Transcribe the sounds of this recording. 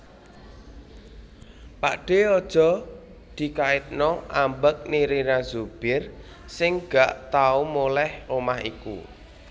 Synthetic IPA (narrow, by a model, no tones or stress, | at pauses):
pa̰ʔɖ̥e̤ɔd̥ʒ̥ɔ̤ | d̪̥i̤kaɪt̪̚nɔʔambək̚niɾinazub̥ɪr | sɪŋɡ̥aʔt̪aumolɛhomahḭkṵ